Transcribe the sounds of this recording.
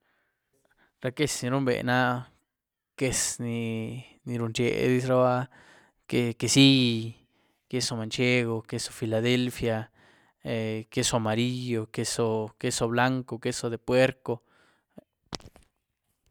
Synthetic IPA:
ɾa˧ke˦sni˧ɾu˦mbḛ˨na˦ | ke˧sni˧ni˧ɾu˧nt͡ʃḛ˧d̪i˧sɾa˦βa˦ | ke˧ke˧si˦˧ | ke˧so˧ma˨nt͡ʃe˦ɣo˧ke˧so̥˧fi˧la˨ðe˦lfja˧ | eke˧so˧a˧ma˨ɾi˦jo˧ke˧so˧ke˧so˧βla˦ŋko˧ke˦so˧d̪e˨pwe˦ɾko˧

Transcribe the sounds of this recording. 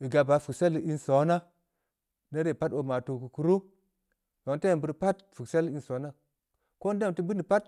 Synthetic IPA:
i˨ɡa˨ba˨fu˨kse˦li˦nso˨˦na˦ | na˦ɾe˦˨pa˦to˨ma˨to˨ku˨ku˨ɾo˦ | do˨ŋ˦te˦˨bu˨ɾpa˦t̚fu˨kse˦li˦so˨˦na˦ | ko˦n˦de˦mti˦bi˦ni˨pa˦t̚

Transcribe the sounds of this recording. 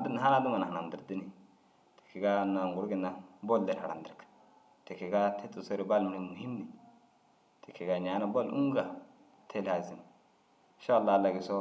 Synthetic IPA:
a˨di˦n˨a˦na˦du˦ma˨na˨na˨di˨ɾdi˦ni˨ | te̥˨kʰi˨ɡa˦na˨ŋɡu˨ɾɡi˦˨nːa˨bo˦lde˨ɾha̰˨ɾa̰˨ndi˨ɾkḁ˨ | te˨ki˨ɡa˦tʰe˦tʼu˨so˦ɾi˨ba˦lmi˨ɾi˦˨mu˨hi˦mni˨ | tʰe˨kʰːi˨ɡa˨ɲa˨˦na˦bo˦lṵ˦ŋ˦ɡa˨ | tʰe˦lha˨zi˨ni˨ | ʃa˦˨lːa˦˨lːa˨ɡi˨so˦

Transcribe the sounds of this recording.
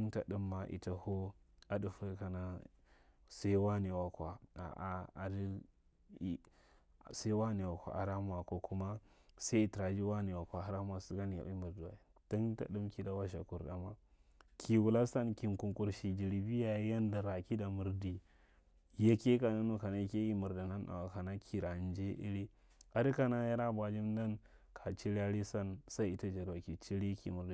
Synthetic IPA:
nta̰˨ɗu˦mːa˨ʔḭ˨ta˦ho˦a˨du˨fa˦ka˨na˦ | sa˦i˦wa˦ni˨wa˨kʷa˨a̰˨ʔa˨a̰˨di˦˨˦ | sa˦i˦wa˦ni˨wa˨kʷa̰˨a̰˨ɾa˦m˦˨a˨ko˦ku˦ma˦sa˦i˨ti˨ɾa˨d͡ʒi˦wa˦ni˨wa˨kʷa˨a˦ɾa˦m˦˨a˨si˦ɡa˦ni˨a̰˨ʔi˦mu˨ɾdi˨wa˨i˨ | ti˦nta̰˨ɗu˦mki˦da˨wa˦ʃ̬a̰˨ku˨ɾda˨ma˦ | kʰi˨wu˨la˦sa˦nki˨ŋku˨ŋku˨ɾʃi˨d͡ʒi˨ɾi˨bi˦ja˨˦ja˦nda˨ɾa˨ki˦da˨mu˨ɾdi˨ | ja˦ke˦ka˨na˦nu˨ka˨na˦i˦ke˦ki˦mu˨ɾda˨na˦na̰˨wa˨ka˨na˦kʰi˨ɾa˨n˦d͡ʒe˦ʔḭ˦ɾi˦ | a˨di˦ka˨na˦ja˦ɾa˦ba˨d͡ʒi˦mda˦n | kʰa˨t͡ʃi˦ɾa˦ɾi˦sa˦nsa˦i˦i˦ta˦d͡ʒa˨ɾwa˨ki˨t͡ʃi˦ɾi˦kḭ˨mu˨ɾdi˨

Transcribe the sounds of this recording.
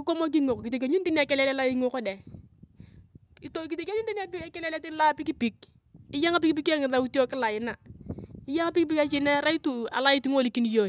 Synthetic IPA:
kɪ˦ko˦mo˦k̬i˦ŋo˨kki˨te˨k̬ʲe˨˦ɲu˦n˦di˦n˦a˨kɛ˦lɛ˦lɛ˦la˦i˦ŋo˦kɔ˦dɛ˨ | to˦ki˨te˨kʲe˦ɲu˦ndi˦na˦pi˦kɛ˦lɛ˦lɛ˦ti˦la˦pɪ˦ki˦pɪ˨k̚ | ɪ˦ja˦ŋa˦p̬ɪ˦kipi˦ke˦ŋɪ˨ða˦u˦ti˦o˦kɪ˦la˨ɪ˦na˨ɪ˦ja˦ŋa˦pɪ˦ki˦p̬i˦ka˦t͡ʃɪ˨nɛ˦ɾa˦i˦tu˨a̰˨la˦i˦tu˦ŋo˦˨li˨ki˦ni˦jo˨

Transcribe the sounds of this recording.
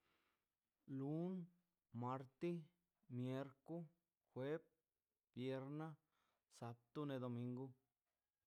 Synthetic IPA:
lu˨˦n | ma˧ɾt̪i˦ | mje˧ɾku˦ | xwe˦p̚ | bje˧ɾna˦ | sa˧p̚t̪u˦ne˧d̪o˧mĩ˧ŋɡu˦

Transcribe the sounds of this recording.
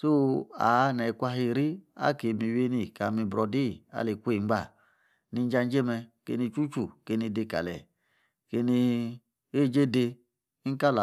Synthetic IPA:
so˦a̰˨˦nɛ˨˧˨kʷa˧ɦi˧˨ɾi˦a̰˦ke˨˧˨mi˧˨we˧˦ni˧˨ka˨mi˧bɾɔ˧di˦˨a̰˨˦le˨kʷe˦˨ŋ͡m̩˦ɡ͡ba˦˨ | ni˧˦d͡ʒa˧n˦d͡ʒe˦mɛ˧kḛ˧ni˧t͡ʃu˦t͡ʃu˨ke˧ni˧de˧˨ka̰˨lɛ̰˨ | ke˧ni˧ | e˦˨d͡ʒe˦de˧ | i˦ŋ̩˦ka˦la˨

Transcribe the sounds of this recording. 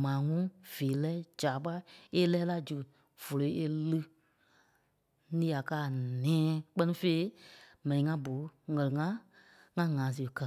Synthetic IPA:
mãː˨˦ŋũ˦v̥eː˨lɛː˦d͡ʒaː˨ɓa˦e˦lɛː˦la˦˨d͡ʒu˨ | v̥o˨lo˨i˦e˧lɨ˦ | nĩː˦a˨kaː˦˨nɛ̃ː˨˦k͡pɜ˦nĩ˦fe˦i˦mɛ̃˨nĩ˨ŋã˦bo˨˦ŋɜ˨lɨ˨ŋã˦ | ŋã˦ŋãː˨˦s̬ɨ˨kə˧

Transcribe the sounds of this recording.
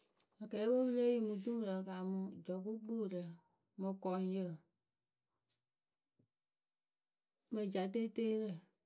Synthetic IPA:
a˨kɛː˨˦wo˦bɨ˦le˦ji˦˨mũ˧t̬ũ˦˨ɾə˨ka˨mũ˧d͡ʒɔ˨ku˦ɡ͡bu˦˨ɾə˨ | mə̃˨kɔ˨˦njə˨ | mə̃˨d͡ʒa˨t̬e˦teː˦ɾə˦˨

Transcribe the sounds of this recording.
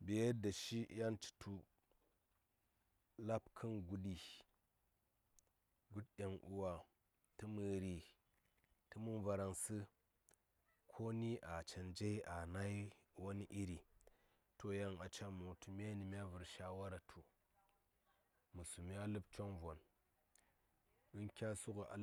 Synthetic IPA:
be˨˦da˨ʃi˦ja˦nt͡ʃi̥˨tʰu˨ | la˦pkʰɨ˦nɡu˦ɗi˨ | ɡu˦t̚ɗʲa˨ŋʔṵ˨wa˨ | tɨ˦mɨ˨ɾi˨ | tɨ˦mu˦nva˨ɾa˨nsɨ˦ | kʰo˦ni˦ʔa˨t͡ʃa˨nd͡ʒe˦i˦a˨na˦i˦wo˦ni˦ʔi˦ɾi˨ | to˦ja˦ŋa˨t͡ʃa˦mu˨tu˦mʲ˦a˦ni˨mʲ˦a˦vɨ˨ɾʃa˦wa˦ɾa˨tʰu˨ | mɨ˨su˨mi˦a˦lɨ˦p̚t͡ʃo˦ŋvo˨n | ɨ˦nkʲa˦su˦ku˨ʔa̰˨l

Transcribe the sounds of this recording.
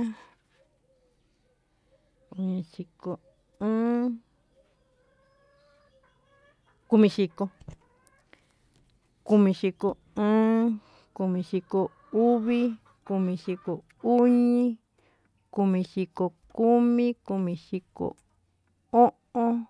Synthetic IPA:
ku˧ɲĩ˧ʂi˧ko˧ | ɨ̃ː˦ | ku˧mĩ˧ʂi˧ko˧ | ku˧mĩ˧ʃi˧ko˨ | ɨ̃ː˦ | ku˧mĩ˧ʂi˧ko˧ | u˦βi˦ | ku˧mĩ˧ʂi˧ko˨ | u˦ɲĩ˦ | ku˧mĩ˧ʃi˧ko˧ku˦mĩ˦ku˧mĩ˧ʂi˧ko̰˨ | o˦ʔõ˦

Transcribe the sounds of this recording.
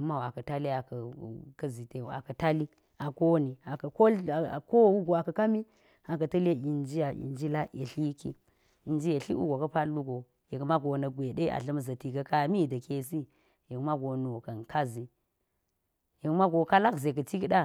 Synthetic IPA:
ma˦wa˨kə˨ta˦li˦a˨kə˨kə˦zi˨te˨a̰˨kɐ˨ta˦li˦ | a˨ko˦ni˨a˨kɐ˨ko˦˨ko˦wu˦ɡo˨a˨kɐ˨ka˦mi˦ | a˨kɐ˨tɐ˦le˦i˨nd͡ʒi˦ja˨ḭ˨nd͡ʒi˦la˦ʔḛ˨ɬi˦kḭ˦ | i˨nd͡ʒi˦je˨ɬḭ˦ṵ˦ɡo˨kə˦pa˦lu˦ɡo˨ | je˨kma˦ɡo˨na˨ɡʷe˨ɗe˦a̰˨ɬə˦m˦za˨ti˨ka˨ka˨mi˦˨da˨ke˨s̬i˦ | je˨kma˦ɡo˨nu˨ka˨nka˦zi˨ | je˨kma˦ɡo˨ka˦la˦kze˨k̬ə˨t͡ʃi˦kɗa˦

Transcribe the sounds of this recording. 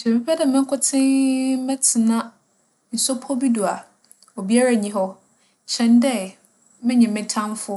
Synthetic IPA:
ʃɛ˨mɪ̃˦pʰɛ˦dɛ˨mɪ̃˦kʰʊ˦tʰɪ̃˦mɛ̃˦tʰɪ˨nã˦ | n̩˨sɔ˦pʰɔ˦bi˦du˨a˨ | o˨bi˦a˦ɾa˦˨ɲĩ˦ɦɔ˦ | t͡ɕʰɛ̃˨ndɛ˦˨ | mɪ̃˦ɲɪ̃˨mɪ̃˨tʰã˦mfʊ˦

